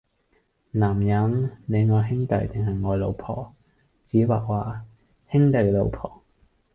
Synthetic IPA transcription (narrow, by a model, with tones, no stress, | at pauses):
naː˨˩mjɐ˨˥ŋne˨˧jŋɔː˨˧jɦɪ˥ŋt̪ɐ̰˨˧jt̪ɪ˨ŋɦɐ˨jŋɔː˨˧jlo̰˨˧wpʰɔ̰ː˨˩ | t͡siː˨˥waː˨˩k̚waː˨ | hɪ˥ŋt̪ɐ˨˩jlo˨˧wpʰɔ̰ː˨˩